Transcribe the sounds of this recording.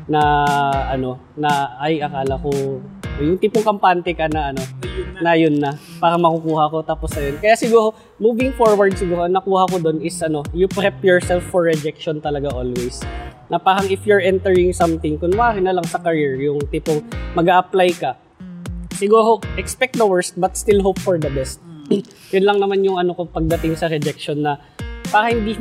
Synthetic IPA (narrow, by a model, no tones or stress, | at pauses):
nɐʔɐno̞ | nɐɐjʔɐkaːlɐkoɐnojʊŋt̪iːpoŋkɐmpant̪ɛkɐnɐʔɐno̞nɐjʊnːɐpaːɾɐŋmɐkʊkuːhɐko̞t̪aːposnɐjonkɐjasɪɡuːɾo̞ | muːvɪŋfoɹwɐɹd̪̚sɪɡuːɾoʔɐŋnɐkuːhɐko̞d̪o̞nɪsʔɐno̞jʊpɾɛpjɔɹsɛlfːɔɹːɛd͡ʒɛk̚ʃont̪ɐlɐɡaʔoːlwɛjsnɐpaːɾɐŋɪfjʊɹʔɛnt̪ɛɹɪŋsɐmt̪ɪŋkʊnwaːɾɪnɐlɐŋsɐkɐɹɪɹjʊŋt̪ipoŋmɐɡaʔɐplajkɐ | sɪɡuːɾo̞ʔɛkspɛk̚t̪̚d̪ɐwɛɹst̪̚bɐt̪̚st̪ɪlɦopfɔɹd̪ɐbɛst̪̚ | jʊnlɐŋnɐmanjʊŋʔɐnokopɐɡ̚d̪ɐt̪ɪŋsɐɾɛd͡ʒɛk̚ʃonːɐ | paːɾɐhɪnd̪iː